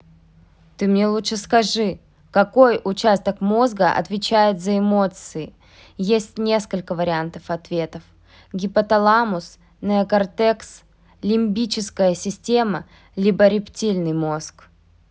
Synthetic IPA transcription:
t̪ɨmnʲelˠuʂɨskɐʐɨ | kɐko̞jʊt͡ɕæst̪əkmo̞zɡəʔɐ̰t̪vʲɪt͡ɕæjɪt̪zəɪmo̞t̪sɨɪ | jesʲtʲnʲe̞skəlʲkəvəɾʲɪant̪əfɐt̪vʲet̪əf | ɡʲɪpət̪ɐlˠamʊs | nəkɐrt̪ɛks | lʲɪmʲbʲit͡ɕɪskəjəsʲɪsʲtʲe̞mə | lʲibəɾʲɪptʲilʲnɨjmo̞sk

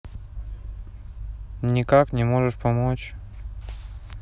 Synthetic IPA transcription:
nʲɪkaknʲɪmo̞ʐɨʂpɐmot͡ɕ

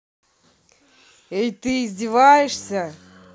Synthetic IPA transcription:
ejt̪ɨːzʲdʲɪvajɪʂsʲə

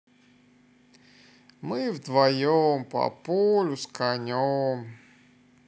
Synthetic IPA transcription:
mɨvd̪vɐjompɐ̰polʲʊskanʲom

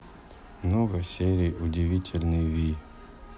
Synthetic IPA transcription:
mnoɡəsʲeɾʲɪjʊdʲɪvʲitʲʰɪlʲnɨjvʲi

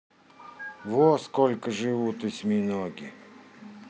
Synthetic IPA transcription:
voskolʲkəʐɨvut̪ɨsʲmʲinoɡʲɪ

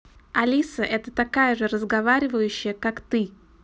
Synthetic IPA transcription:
ɐlʲisəʔɛt̪ət̪ɐkajəʐɨɾəzɡɐvaɾʲɪvəjʉɕːɪjəkakt̪ɨ

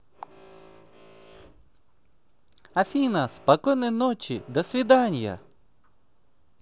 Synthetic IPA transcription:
ɐfʲinɐspɐkɔjnɪnɔt͡ʃid̪ɔsʲʋʲid̪ɑnʲjɐ̰

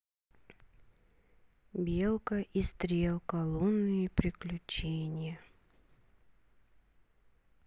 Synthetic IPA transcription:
bʲelˠkəʔist̪ɾʲelˠkɐlˠonːɨjəpɾʲɪklʲʉt͡ɕenʲɪjə

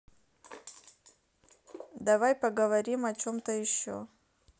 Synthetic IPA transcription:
d̪ɐvajpɐɡəvɐɾʲimɐt͡ɕo̞mt̪əjɪɕːo̰

